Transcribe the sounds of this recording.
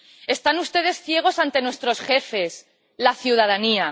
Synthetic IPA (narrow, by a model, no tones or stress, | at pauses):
e̞st̪anust̪e̞ð̞e̞sθje̞ɣ̞o̞sant̪e̞nwe̞st̪ɾo̞sχe̞fe̞s | laθjuð̞aðania